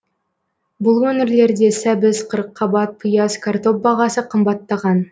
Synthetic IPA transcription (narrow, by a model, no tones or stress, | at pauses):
bʊlˠwɵnɪɾle̞ɾd̪e̞sæbɪzqʰəɾəqʰːɑbɑt̪̚pʰujɑskʰart̪o̞p̚bɑʁɑsəqʰəmbɑt̪ːɑʁɑn